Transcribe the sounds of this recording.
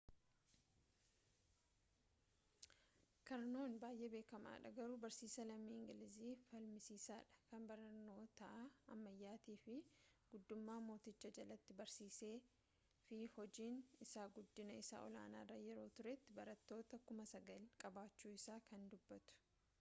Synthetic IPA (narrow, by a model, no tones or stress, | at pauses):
kɐɾno̞ːnbaːjʔe̞be̞ːkɐma̰ːᶑɐɡɐɾuːbɐɾsiːsɐlɐmːiːɪŋɡɪlɪziːfɐlmɪsiːsaːᶑɐ̥kɐnbɐɾɐno̞ːt̪ɐʔaɐmːɐjːaːt̪iːfɪɡ̥ʊd̪ːʊmːaːmo̞ːt̪ɪt͡ʃːɐd͡ʒɐlɐt̪ːɪbɐɾsiːse̞ː | fɪhɔd͡ʒiːnɪsaːɡʊd̪ːɪnɐɪsa̰ːʔɔ̰la̰ːna̰ːrːɐjɛɾo̞ːt̪ʊɾɛt̪ːɪbɐɾɐt̪ːo̞ːt̪ɐkʊmɐsɐɡɐlkʼɐbaːt͡ʃːuːɪsaːkʰɐnd̪ʊbːɐt̪ʊ̥